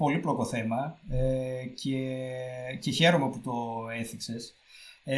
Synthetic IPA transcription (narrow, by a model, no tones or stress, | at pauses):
po̞liplo̞ko̞θe̞mɐece | ceçe̞ɾomeput̪o̞eθikse̞s